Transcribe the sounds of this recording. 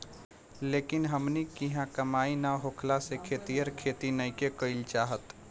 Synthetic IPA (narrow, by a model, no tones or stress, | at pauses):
leːkɪnɦəmnikiɦãkəmaːinaɦokʰlasekʰet̪ijəɾkʰeːt̪inəkekəɪlt͡ʃaːɦət̪